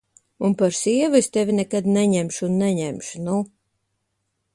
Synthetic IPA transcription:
unpaɾsiɛvest̪evʲinɛkad̪nɛɲɛmʃunːɛɲɛmʃunu

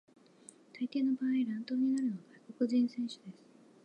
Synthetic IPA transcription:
t̪ait̪e̞ːno̞baːiɾãnt̪o̞ːɲ̟inaɾɯ̟noɡaiko̞kɯ̟ʑĩɰ̃sẽ̞ɰ̃ɕɨ̥d̪e̞sɨ̥

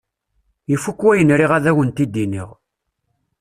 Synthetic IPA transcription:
jifːukːwæjənɾiʁæðæwənt̪id̪ːiniʁ

